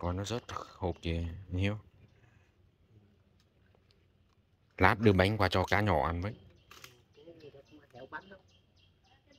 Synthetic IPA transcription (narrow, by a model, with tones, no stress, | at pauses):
kɔ˨˧nɔ˨˦zə˦˥t̚ho˨˩p̚ki˨˩əɲi˨˧əw | laː˦˥p̚ɗɨ˨˩ɓa˨˦jŋ̟kwaː˨˩t͡ɕɔ˧kaː˨˦ɲɔ̰˧˩ʔa˧˩nvə˨˦j